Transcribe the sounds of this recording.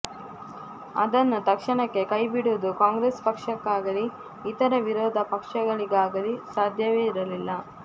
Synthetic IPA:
ɐ̰d̪ɐnːut̪ɐkʂɐɳɐkːe̞kɐjbiɽuʋud̪ukaːŋɡɾespɐkʂɐkːaːɡɐliː | t̪ɐɾɐʋiɾɔːd̪ʱɐpɐkʂɐɡɐɭiɡaːɡɐlisaːd̪ʱjɐʋeːiɾɐlilːɐ

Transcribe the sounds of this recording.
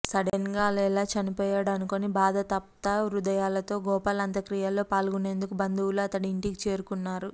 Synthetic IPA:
sɐɽɐnɡaːlɐɛlaːt͡ʃɐnipɔːjaːɽɐnuko̞ːnibaːd̪ʱɐt̪ɐp̚t̪ɐɾud̪ɐjaːlɐt̪o̞ːɡɔːpɐlɐnt̪ɐkɾijɐlo̞ːpaːlɡune̞ːnd̪ukubɐnd̪uwuluɐt̪ɐɽiiɳʈikit͡ʃe̞ːɾukunːaːɾu

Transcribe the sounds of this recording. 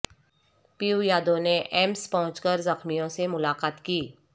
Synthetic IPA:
piujaːd̪õneʔɛmspɐɦʊ̃t͡ʃkəɾzɐxmijõsemʊlaːqaːt̪kiː

